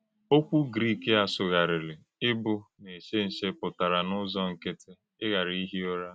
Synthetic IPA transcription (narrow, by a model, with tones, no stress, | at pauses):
o˦kʷu˦ɡɾi˦ke˦a˨sʊ˨ɣa˨ɾɪ˨lɪ˨ | ɪ˦bʊ˦ne˨ʃe˦n̩˨ʃe˦pʊ˨ta˨ɾa˨nʊ˦zɔ˦ŋ̩˨ke˦tʰe˦ | ɪ˦ɣa˨ɾi˦i˦ɦi˦o˦ɾa˦